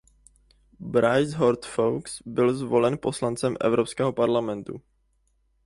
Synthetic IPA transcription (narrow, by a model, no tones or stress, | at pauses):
bɾajzɦoɾt̪fowksbɪlzvo̞lɛnpo̞slant͡sɛmʔɛ̰vɾopskɛːɦo̞paɾlamɛnt̪ṵ